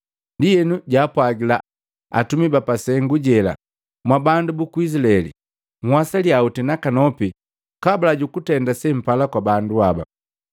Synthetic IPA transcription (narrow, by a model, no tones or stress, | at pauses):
ndijɛnuɟaːpwaɡila | a̰tumibapasɛŋɡuɟɛla̰ | mwabandubukuis̬ilaɛlḭ | ŋwasaliautinakanɔpi | kabalaɟukutɛndasɛm̩palakwabanduaba̰